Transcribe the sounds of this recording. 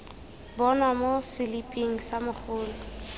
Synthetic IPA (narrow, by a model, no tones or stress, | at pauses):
bɔnwamosɪlipʼiŋ̩samʊχʰʊːlɔ